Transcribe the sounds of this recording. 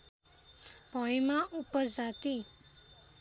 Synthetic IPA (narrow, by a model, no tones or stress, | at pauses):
b̥ʱʌjmaʔupʌd͡zat̪i